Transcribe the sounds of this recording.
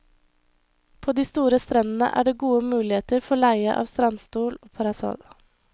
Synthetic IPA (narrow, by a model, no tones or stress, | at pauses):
pʰoːd̪iːst̪uːɾəst̪ɾɛnn̩ə̰ʔæ̰ːɖeːɡuːəmʉːlɪeːt̪əɾfɔɭæɪəʔɑ̰ːʋst̪ɾɑnst̪uːloːpʰɑɾɑsɔ̰l